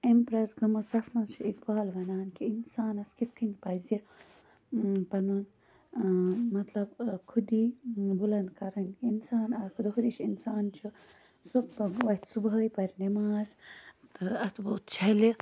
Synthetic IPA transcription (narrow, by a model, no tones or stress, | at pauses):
empɾɐsɡɐmɐsd̪ɐt̪ʰmɐnt͡ʃʰuikbaːlʋɐnaːnkiinsaːnɐskit̪kʰinʲpɐzi | pɐnun | mɐt̪lɐbkʰud̪ibulɐnd̪kɐɾɐnkinsaːnaːkʰud̪ɐɦud̪it͡ʃʰinsaːnt͡ʃʰu | suʋɐt̪ʰʲsubəːjpɐɾinimaːzt̪ʰɨɐt̪ʰboːt̪t͡ʃʰɐli